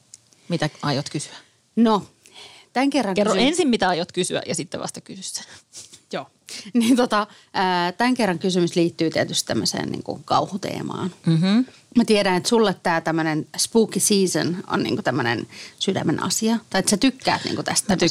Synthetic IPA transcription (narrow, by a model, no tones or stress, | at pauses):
mit̪æɑjot̪kysy̥æ | no | t̪æŋkerːɑŋkerːoensimmit̪æɑjot̪kysyæ̰jɑsit̪ːɛ̰ʋɑ̰st̪ɑkysysːæ̥joː | niːnt̪ot̪ɑ | əːt̪æŋkerːɑŋkysymysliːt̪ːyːt̪iet̪yst̪t̪æmːøsḛːnnḭːŋkṵkɑuhut̪ḛːmɑ̰ːnm̩m̥̩ | mæt̪ieɾænet̪sulːet̪t̪æːt̪æmːønenspuːkisiːsə̰no̰nnḭːŋkut̪æmːønḛnsydæ̰menɑ̰siɑt̪ɑiet̪sæt̪ykːæ̰ːt̪nḭːŋkut̪æst̪ːæmː